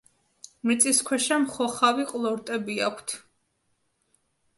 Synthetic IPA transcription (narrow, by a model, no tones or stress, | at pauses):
mɾit̪sʼiskʰwɛʃamχɔχaviqʼlˠɔɾt̪ʼɛbiakʷʰt̪ʰ